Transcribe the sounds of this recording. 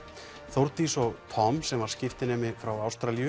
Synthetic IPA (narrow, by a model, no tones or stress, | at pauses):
θowɾt̪isɔɣt̪ʰɔmsɛmvaɾ̥scɪft̪ɪnɛːmɪfɾawawst̪ɾaljʏ